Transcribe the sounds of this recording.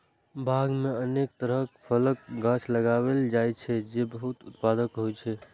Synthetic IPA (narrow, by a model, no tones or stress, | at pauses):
bʱaɡmẽənek̚t̪əɾəpʰələkɡãt͡ʃʰləɡaweld͡ʒajt͡ʃʰɛd͡ʒebəɦut̪ʊt̪̚pad̪əkɦot͡ʃʰɛ